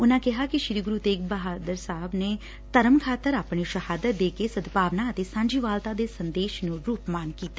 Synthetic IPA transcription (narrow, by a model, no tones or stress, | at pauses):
ʊnãːkɪɦaːkɪʃɾiːɡɾuːt̪eːk̚bəɦaːd̪əɾsaɦəbneː | t̪əɾəmkʰaːt̪əɾaːpɳiːʃəhaːd̪ət̪̚d̪eːkeːsəd̪paːʋnãːət̪eːsãːɲd͡ʒiːʋaːlt̪ãːd̪eːsənd̪eːʃnũːɾuːpmaːnkiːt̪a